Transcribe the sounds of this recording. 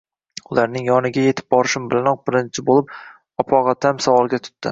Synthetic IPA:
ʊlaɾnɪŋjɒnɪɡʲajet̪ʰɪ̥p̚bɒɾɪʃɪmbɪlanɒq̚bɪɾɪnt͡ʃʰɪbolɪp̚ | ɒpʰɒʁɑt̪ʰamsavɒlˠɡʲat̪ʰʊ̥t̪ːɪ̰

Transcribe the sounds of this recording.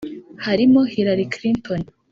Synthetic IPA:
haɾimohiɾaɾikɾinton

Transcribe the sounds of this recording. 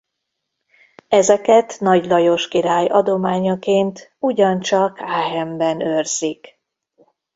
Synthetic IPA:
ɛzɛkɛt̪nɒɟlɒjo̞ʃkiɾaːjɒd̪o̞maːɲɒkeːnt̪uɟɒnt͡ʃɒkaːɦɛmbɛnørz̥ik

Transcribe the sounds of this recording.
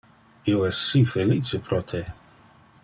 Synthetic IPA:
ioɛsifelit͡ʃepɾɔt̪ʰe

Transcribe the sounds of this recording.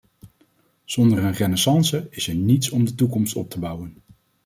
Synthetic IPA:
z̥ɔndəɹənrɛnɛsɑnsəɪsəɹnitsɔmdətukɔmstɔp̚təbʌwən

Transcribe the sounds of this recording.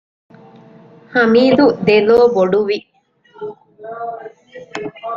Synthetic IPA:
hɐmiːd̪ud̪eloːboɖuʋi

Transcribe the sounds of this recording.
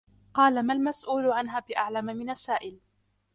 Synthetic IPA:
qɑːlamalmasʔuːlʊʕanɦaːbɪʔaʕlamamɪnasaːʔɪl

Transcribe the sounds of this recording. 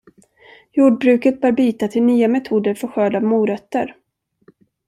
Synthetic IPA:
juːɖ̚bɾʉ̟kət̪̚bœːɾbyːt̪at̪ʰɪlnyːamɛt̪ʰuːd̪əɾfœɾɧøːd̪avmuːɾœt̪ːəɾ

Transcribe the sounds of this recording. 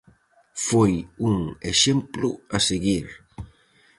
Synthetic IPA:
fojuŋeʃemplʊ̰aseɣiɾ

